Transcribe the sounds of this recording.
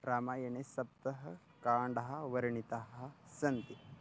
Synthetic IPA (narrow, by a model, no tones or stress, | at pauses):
ɾaːmaːjɐnesɐp̚t̪ɐɦɐ | kaːɳɖɐɦɐ̆ʋɐɾɐɳit̪aɦɐɐsɐnt̪i